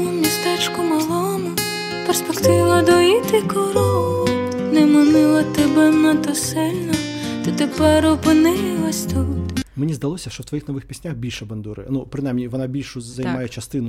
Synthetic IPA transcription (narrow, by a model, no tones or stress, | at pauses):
mʲist̪ɛt͡ʃkʊmɐlˠɔnɐ | perspekt̪ɪʋɐd̪ɔjit̪ɪkɔɾɔʊ | nɛmɔnɪlˠɐt̪ɛbɛmɛt̪ɔsɪlʲnɐt̪ɪt̪epɛɾɔpɪnɪlˠɐsʲt̪ut̪menʲizd̪ɐlˠɔsʲɐʃt͡ʃɔwt̪ʋɔjixnɔʋɪxpʲisʲnʲaxbʲilʲʃɛbɐnd̪uɾɪ̰nupɾɪnajmnʲiʋɔnabʲilʲʃʊzɐjmajɛt͡ʃɐst̪ɪnʊ